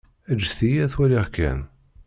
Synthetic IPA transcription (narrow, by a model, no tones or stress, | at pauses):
æd͡ʒːθijæθwæliʁkːæ̰n